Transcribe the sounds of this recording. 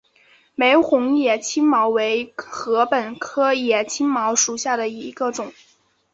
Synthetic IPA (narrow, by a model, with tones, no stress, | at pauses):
me˧˥ɪxʊ˧˥ŋjɛ˨˩t͡ɕʰi˥nmɑ˧˥ʊwe˧˥ɪxɤ˧˥pə˨˩nkʰɤ˥jɛ˨˩t͡ɕʰi˥nmɑ˧˥ʊʂu˨˩ɕja˥˩d̪ə˩i˧˥ɡə˧ʈ͡ʂʊ˨˩˦ŋ